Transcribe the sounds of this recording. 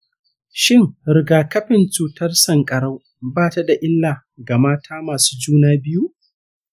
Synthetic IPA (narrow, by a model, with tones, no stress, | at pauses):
ʃɪ˦ŋɾɪ˨ɡaː˨kɐ˦ɸɪ˨nt͡ʃuː˨tɐ˦rsɐ˨ŋkʼɐ˨ɽa˦w | baː˦˨ta˨da˨ʔɪ˦lːaː˨ | ɡa˨maː˦tʰaː˦maː˨su̥ː˦d͡ʒuː˦naː˦bɪ˦ju˦ʔ